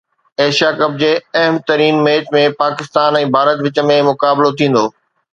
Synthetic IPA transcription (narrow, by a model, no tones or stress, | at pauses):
eːʃijakɐb̚d͡ʑeːɐɦəmt̪ɐɾiːnmeːʈmẽpaːkɪst̪aːnɛ̃ːbʱaːɾət̪ʋɪt͡ɕəmẽmʊkaːblot̪ʰĩːn̆d̪oː